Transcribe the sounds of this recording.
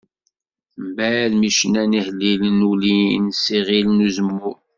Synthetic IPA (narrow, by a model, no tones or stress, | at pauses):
mbælmiʃnænihəlːilənulinsiʁilnuzəmːuɾ